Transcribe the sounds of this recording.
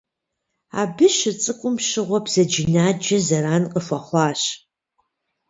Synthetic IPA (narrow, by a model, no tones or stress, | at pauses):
a̰bɨʃɨt͡sʼɨkʷʼʊmʃɨʁʷɔbz̥ɐd͡ʒɪnaːd͡ʒɐzɐɾaːnqʼəfʷɐχʷɑːɕ